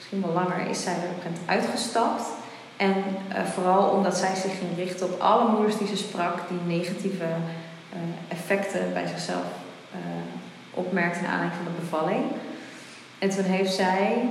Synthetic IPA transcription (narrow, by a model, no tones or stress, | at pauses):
ɪsχinʋɑlɑŋə̰ɹɪ̰sɛjʋɛɹɔmkɛntœ̰ɥtχəstɑpt | ʔɛnvoːrɑlˠɔ̰mdɑtsɛjzɪχːɪŋrɪχtəɔpʰɑ̰ləmudəɹzdizəsprɑkd̥inejχativə | ɛfɛktəbɛ̰jzɪχsɛ̰lˠf | ʔɔpmɛɹk̚təna̰ːndɛŋkfɑndəbəvɑlɪŋ | ɛntunɦejftsɛj